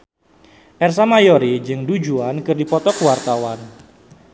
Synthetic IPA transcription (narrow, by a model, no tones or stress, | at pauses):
ʔɛrs̬amajoɾid͡ʒɨŋdud͡ʒuankɨrdipɔt̪ɔkəwart̪awan